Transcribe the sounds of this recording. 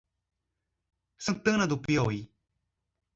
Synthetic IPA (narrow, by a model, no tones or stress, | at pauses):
sət̪ənad̪upjoi